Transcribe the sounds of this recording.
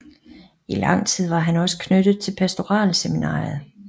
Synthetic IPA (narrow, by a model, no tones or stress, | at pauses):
ilɑ̈ŋ̰t͡sʰið̞̰ˠʋɑ̈ɦænɒ̽sə̥kʰnød̥ð̩ˠt͡sʰe̝lpʰæsd̥o̝ʁɑ̰̈ːlseminɑ̰̈ːð̩ˠ